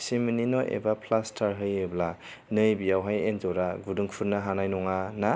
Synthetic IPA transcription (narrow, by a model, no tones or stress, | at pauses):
simininɔʔḛbapʰlastʰaɾɦɯjɯbla | nɯjbijawɦajend͡ʒɔɾaɡuduŋpʰuɾnaɦanajnɔŋana